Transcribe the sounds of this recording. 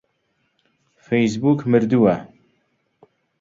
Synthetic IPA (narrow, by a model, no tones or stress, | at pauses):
fejs̬buːkʰmɨɾd̪uwæ